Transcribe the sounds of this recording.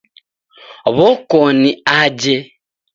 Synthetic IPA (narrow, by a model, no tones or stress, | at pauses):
oβokoniaɟe